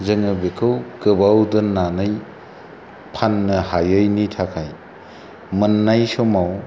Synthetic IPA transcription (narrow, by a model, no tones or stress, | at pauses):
zɯŋɯbekʰɯwkɯbawdɯnanɯj | pʰanːɯhajɯjnitʰakʰaj | mɯnːajsomaw